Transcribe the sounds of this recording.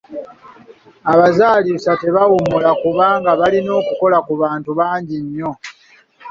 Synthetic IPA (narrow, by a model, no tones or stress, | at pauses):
aβazaːlisate̞βawumulakuβaːŋɡaβalino̞ːkuko̞lakuβaːntuβaːɲɟiɲːo̞